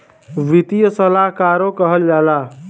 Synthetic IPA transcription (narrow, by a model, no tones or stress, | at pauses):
ʋit̪ijəsəlaɦkaɾokəɦəld͡ʒala